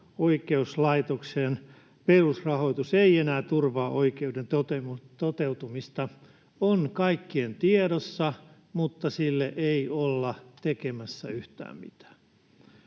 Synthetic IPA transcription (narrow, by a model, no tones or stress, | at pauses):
oikeuslɑit̪okseːn | perusrɑhoit̪useienæːt̪urʋɑːʔoikeudent̪ot̪emut̪ot̪eut̪umist̪ɑ | onkɑikːient̪ieɾosːɑ | mut̪ːɑsilːeʔeiolːɑt̪ekemæsːæ̰yht̪æ̰ːmmḭt̪æ̥ː